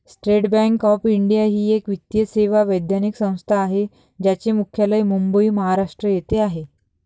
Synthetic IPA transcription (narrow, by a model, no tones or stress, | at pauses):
sʈɾeʈbæ̃ŋkɔfiɳɖijaɦiːekʋit̪jəseʋaʋəjd̪janiksə̃w̃st̪ʰaːɦe | d͡ʑat͡ɕemukʰjalaimumbəiməɦaɾaʂʈɾəjet̪eaɦe